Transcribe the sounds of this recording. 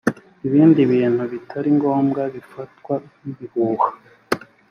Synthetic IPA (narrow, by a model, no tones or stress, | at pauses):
iβiːndiβiːn̥huβitʰaɾiŋɡo̞ːmɡaβifatkwaiβihuːhḁ